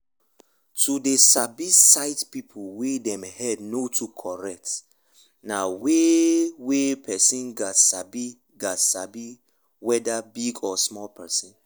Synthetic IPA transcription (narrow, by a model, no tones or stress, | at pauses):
tʰudesabisaɪtpipʰulwedɛ̃mhɛdnotʰukʰɔɹɛk̚t | nawewepʰɛsĩnɡasabi | ɡasabi | wɛdabiɡɔsmɔlpʰɛsĩn